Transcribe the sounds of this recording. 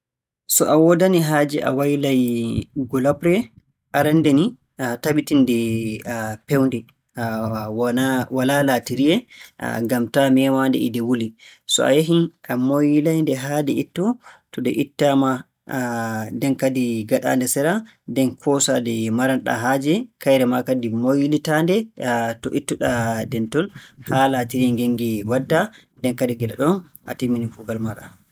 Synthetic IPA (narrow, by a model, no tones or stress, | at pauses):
sɔʔawɔdaniɦaːd͡ʒɛʔa̰wajlajɡɔlapɾɛ | ʔaɾandɛni | atabitindɛ | pɛwndɛ | walalatiɾiɛ̰ɡamtamɛmandɛ̰idɛwulisɔ̰a̰jaɦinʔamojlajndɛɦaːdɛitːɔtɔdɛʔitːama | dɛnkadiɡaɗa̰ndɛsɛɾa | dɛnkʰɔsadɛmaɾanɗa̰ɦaːd͡ʒɛkajɾɛmakadimojilitandɛtɔʔitːuɗadɛntɔnhalatiɾiɛŋɡeŋɡiwadːa | dɛnkadiɡɛlaɗɔn | ʔa̰timinifuɡalmaɗa̰